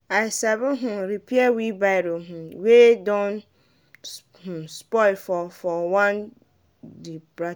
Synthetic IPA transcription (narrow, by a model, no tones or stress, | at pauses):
aɪsabʊɦũɾipiɛwibaɾoɦũwedɔ̃n | hũspɔɪfɔfɔwãn | dibɾa